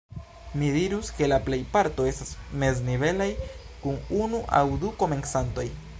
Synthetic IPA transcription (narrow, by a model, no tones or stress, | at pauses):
midiɾuske̞laple̞jpaɾto̞e̞stasme̞z̬nive̞laj | kununuʔa̰wduko̞me̞nsanto̞j